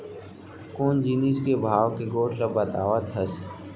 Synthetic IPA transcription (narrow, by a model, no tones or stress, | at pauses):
koːnd͡ʒiːniskebʱaːʋkeɡoːʈʰlɐbɐt̪aːʋat̪ʰɦɐs